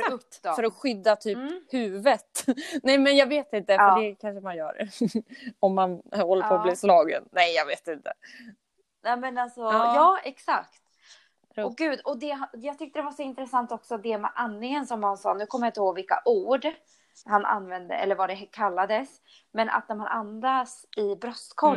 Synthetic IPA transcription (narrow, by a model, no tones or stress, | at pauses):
t̪ːfœɾɔɧʏd̪ːat̪ʰyːphʉ̟ːvət̪nɛjmɛnjɑːɡveːt̪ɪnt̪əfɖɛkʰanʂəmanjœ̰ːɾ | ɔmːanhɔlːəpʰoːliːslɑːɡə̰nnɛjjɑːɡveːt̪ɪnt̪ə | nɛmɛnalsɔjɑːɛksa̰kt̪ | ɔɡʉ̟ːd̪ɔd̪ɛɦjɑːɡt̪ʰʏkt̪əd̪ɛvaʂɔɪnt̪ɾəsant̪ɔksɔd̪ɛmɛ̰ʔanlɪŋənsɔmhansɑ̰ːnʉ̟ːkʰɔmːjaɪnt̪əhoːɡvɪlka̰ʔuːɖ | hanʔa̰nːvɛnd̪ə̰ʔɛ̰lːəɾvaɖɛɦkʰalːad̪əs | mɛnʔa̰t̪̚næɾmanʔand̪asɪbɾɔskʰɔ